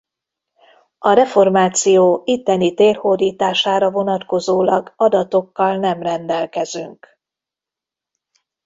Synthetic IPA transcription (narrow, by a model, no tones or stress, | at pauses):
ɒɾɛfo̞rmaːt̪sijoːit̪ːɛnit̪eːrhord̪iːt̪aːʃaːɾɒvo̞nɒt̪ko̞zoːlɒɡɒd̪ɒt̪o̞kːɒlnɛmrɛnd̪ɛlkɛzyŋk